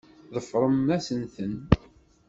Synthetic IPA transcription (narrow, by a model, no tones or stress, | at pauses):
ðəfɾˤəmːæsənθən